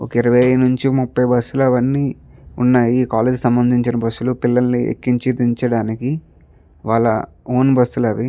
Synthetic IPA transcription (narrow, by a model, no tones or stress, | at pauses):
o̰kɐiɾɐʋɐjnuɲt͡ʃimupːɐjbɐsːulɐʋɐnːiːunːaːjiːkaːleːd͡ʒsɐmbɐnd̪ʱiɲt͡ʃinɐbɐsːulupilːɐnniḛkːiɲt͡ʃid̪iɲt͡ʃɐɽaːniki | ʋaːɭːɐ̰ | oːnbɐsːulɐʋi